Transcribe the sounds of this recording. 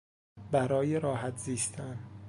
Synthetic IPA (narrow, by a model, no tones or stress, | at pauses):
bæɾɒːjeɾɒːhæt̪ʰziːst̪ʰæn